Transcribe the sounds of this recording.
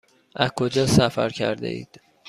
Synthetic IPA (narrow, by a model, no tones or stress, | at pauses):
ʔæzkʰod͡ʒɒːsæfæɾcʰæ̰ɾd̪ḛḭːd̪̥